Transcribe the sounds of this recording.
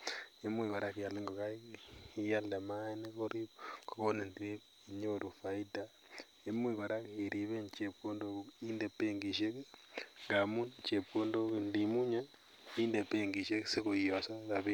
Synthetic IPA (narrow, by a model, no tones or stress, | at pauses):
emwiβaɾakijaleŋɡokaiijalemaenekoɾikokonindie | iɲoɾufaita | emwiβaɾakeɾiβeɲt͡ʃepkondokindepeŋɡiʃekeŋɡamunɲt͡ʃepkondokendimuɲa | indepeŋɡiʃeksekoijasakaβi